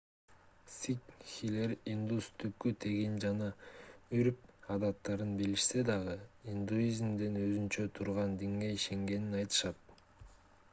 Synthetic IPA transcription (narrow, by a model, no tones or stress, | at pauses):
sikxileɾind̪ust̪ʰyp̚kːyt̪ʰeɡind͡ʒɑnɑyɾp̚ɑd̪ɑt̪ːɑɾɯnbiliʃse̞d̪ɑʁɯind̪uizʲmd̪enø̞zynt͡ʃø̞t̪ʰuɾʁɑnd̪iŋɡeiʃe̞ŋɡe̞ninɑjt̪ɯ̥ʃɑt̪̚